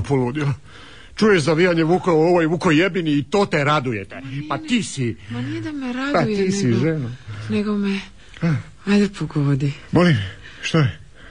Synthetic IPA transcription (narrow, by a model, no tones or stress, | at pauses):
polud̪ila | t͡ʃujeʃzaʋijaɲeʋukauoʋojʋukojebiniːt̪oːt̪eɾad̪ujet̪epat̪iːsianid̪ameɾadaj̪iːsiʒenuneɡome | a | ajd̪epʰoɡod̪imolim | ʃt̪ae